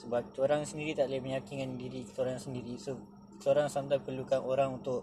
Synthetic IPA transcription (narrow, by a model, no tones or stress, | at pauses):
səbap̚t̪oɾaŋsəndiɾit̪aʔlməɲakiŋandiɾikə̥t̪oɾaŋsəndiɾiso | soɾaŋsamt̪apərlukanʔoɾaŋunt̪ʊʔ